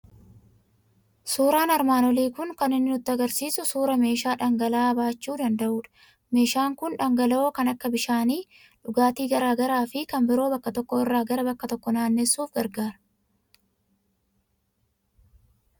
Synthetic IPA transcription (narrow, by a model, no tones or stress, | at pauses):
suːɾaːnɐɾmaːnɔliːkʊŋkɐnɪnːɪʊt̪ːɪɐɡɐɾsiːsʊsuːɾɐme̞ːʃaːᶑɐŋɡɐlaːbaːt͡ʃːuːd̪ɐnd̪ɐʔuːᶑ | me̞ːʃaːŋkʊnᶑɐŋɡɐlɐoːkɐnɐkːɐbɪʃaːniː | ᶑʊɡaːt̪iːɡɐɾaːɡɐɾaːfɪkɐmbɪɾo̞ːbɐkːɐt̪ɔkːɔɪrːaːɡɐɾɐbɐkːɐt̪ɔkːɔnaːnːɛsːuːfɡɐɾɡaːɾɐ